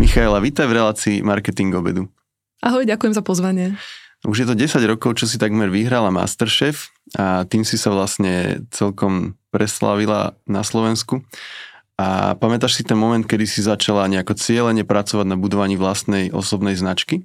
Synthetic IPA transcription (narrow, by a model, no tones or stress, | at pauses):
mixaɛlaʋit̪ajvɾɛlaːt͡siːmaɾkɛt̪iŋɡɔbɛ̰d̪u | ʔaɦɔjɟakujɛmzapɔzʋaɲɪɛuʒjɛt̪̬ɔɟɛsaɟɾɔkɔʊt͡ʃɔs̬it̪aɡmɛɾʋiɦɾalama̰st̪ɛɾʃɛːfat̪iːmsisaʋlasɲɛt͡sɛlkɔmpɾɛsla̰ʋila̰naslɔʋɛnsku | ʔa̰pamɛt̪aʃsit̪ɛnmɔmɛnt̪̚kɛd̪isizat͡ʃalaɲɛakɔt͡sɪɛlɛɲɛpɾat͡sɔʋaɟnabud̪ɔʋaɲiːʋlast̪nɛjʔɔ̰sɔbnɛjznat͡ʃki